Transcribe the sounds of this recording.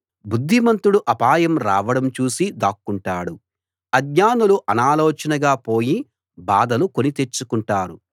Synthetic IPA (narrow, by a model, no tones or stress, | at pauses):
bud̪ʱːimɐnt̪uɽuʔɐpaːjɐmɾa̰ːʋɐɽɐmt͡ʃuːsid̪aːkːuɳʈaːɽu | ɐɡɲaːnuluʔɐnaːlɔːt͡ʃɐnɐɡaːpo̞ːji | baːd̪ɐluko̞nit̪e̞t͡ʃːukuɳʈaːɾu